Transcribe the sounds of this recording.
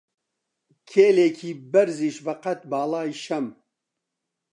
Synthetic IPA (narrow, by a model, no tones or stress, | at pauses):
kʰeːleːkʰiːbɐɾziːʃbɐqɐt̪̚baːlaːjʃɐm